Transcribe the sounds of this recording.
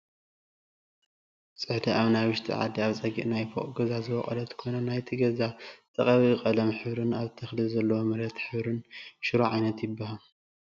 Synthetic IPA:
sʼɨħd̪iʔaβnaβɨʃt̪ʰḭʕa̰d̪ːiaβt͡sʼɐɡiʔnajfoχʼɡɐzazɨwɐχʼɐ̰lɐt̪kʰonɐnajt̪ʰiɡɐzat̪ʼɐχʼɐβiɨkʼɐlɐmħɨβɾɨnaβt̪ʰɐxlɨzɐlːɐwomɐɾɐt̪ħɨβɾɨnʃɨɾuʕajnɐt̪jɪbːɐhal

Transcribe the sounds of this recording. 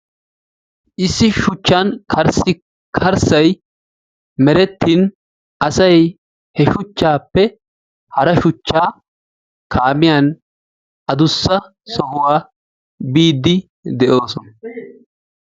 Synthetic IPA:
ʔɪsːɪʃʊt͡ʃːankʰɐɾsɪ | kʰɐɾsɐj | mɛɾɛt̪ːiːn | ʔɐsɐj | hɛʃʊt͡ʃːaːpːɛ | hɐɾɐʃʊt͡ʃːaː | kʰaːmɪjan | ʔɐd̪ʊsːɐ | sɔhʊwaː | biːd̪ːɪ | d̪ɛʔo̞ːsɔnɐ

